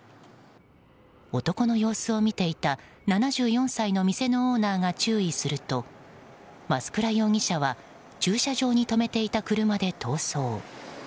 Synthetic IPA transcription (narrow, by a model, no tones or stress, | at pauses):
o̞t̪o̞ko̞no̞jo̞ːsɨo̞mʲit̪e̞it̪a | nanaʑɨːjõ̞ɰ̃saino̞mʲise̞no̞oːnaːŋat͡ɕɨːisɨɾɯ̟t̪o̞ | masɨ̥kɯ̟ɾajo̞ːŋʲiɕaβa | t͡ɕɨːɕaʑo̞ːɲ̟it̪o̞me̞t̪e̞it̪akɯ̟ɾɯ̟mad̪e̞t̪ʰo̞ːso̞ː